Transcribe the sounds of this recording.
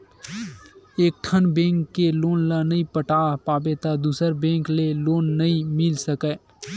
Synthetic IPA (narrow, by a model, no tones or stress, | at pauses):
eːk̚ʈʰənbẽːŋkːeloːnlanəĩpəʈaːɦpaːbet̪ad̪uːsəɾbẽːŋkleloːnːəĩmɪlsəkɛ